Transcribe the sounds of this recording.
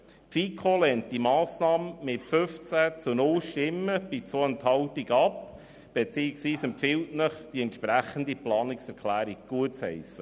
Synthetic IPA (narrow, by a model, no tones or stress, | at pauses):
pfikʰolɛntd̥imɑːsnɑːmmɪtfʏft͡sæt͡sunʊlʃtɪmːəb̥it͡soənthɑwtiɡɑp | b̥et͡siːɪksʋiːsɛmpfɪltnəχd̥iɛntʃpɾæχənd̪iplɑːniksɛɾkʰlæːɾiɡ̚ɡ̥uətt͡shɛ̰ɪsə